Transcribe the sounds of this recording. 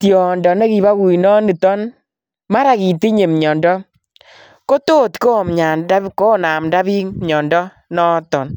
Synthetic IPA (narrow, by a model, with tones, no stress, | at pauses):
tjɔ˨ndɔ˨ne˦ki˨ba˦ɡu˨i˨nɔ˦ni˨tɔ˦n | ma˦ɾa˨ki˨ti˦ɲe˨mɲɔ˨ndɔ˦ | ko˦to˦˨tko˦˨mɲa˨da˦ko˦na˨mda˦bi˦ŋmɲɔ˨ndɔ˦ | nɔ˦tɔ˨n